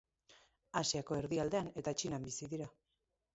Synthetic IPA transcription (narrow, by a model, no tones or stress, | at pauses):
asiako̞e̞ɾðiald̪e̞ane̞t̪at͡ʃinambisiðiɾa